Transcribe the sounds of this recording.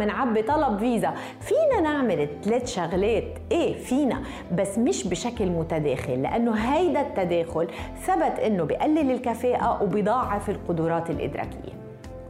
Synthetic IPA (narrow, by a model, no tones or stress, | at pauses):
ɪnʕabːit̪ˤɑlɑbviːza | fiːnanaʕmɪlɪt̪ːleːt̪ʃaɣleːt̪ʔeːfiːna̰ | basːmɪʃbɪʃaklmʊt̪ad̪eːxɪlːɪ̰ʔanːoɦajd̪at̪ːad̪eːxʊlθabat̪ʔɪnːobɪʔalːɪlɪlkafeːʔawbid̪ˤɑːʕːɪfɪlqʊd̪uːɾˤɑːt̪ɪlʔɪ̰d̪ɾˤɑ̰ːkɪ̰jːḛ